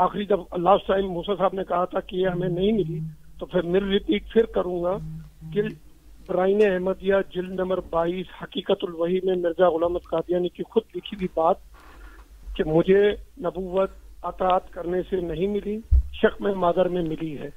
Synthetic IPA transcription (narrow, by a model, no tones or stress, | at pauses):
aːxɾid̪ɐblaːsʈʈaːɪmːuːsasaːbnekɐɦat̪ʰakejeɦɐmẽnɐɦĩmɪlit̪opʰɪɾmɪɾɾɪpiːkfʰɪɾkɐɾũːŋɡakɪ | bɾaːineɛɦməd̪ijad͡ʒɪld̪nɐ̃mbəɾbaːiːshɐkiːkət̪ʊlʋɐɦimẽmɪɾzaɣʊlaːmət̪kaːd̪ijaːnikixʊd̪lɪkʰiwibaːt̪̚ | kemʊd͡ʒʱenɐbuːʋət̪̚ɐt̪aːt̪kɐɾnesenɐɦĩmɪliʃɐxmẽmaːd̪əɾmẽmɪliɦɛː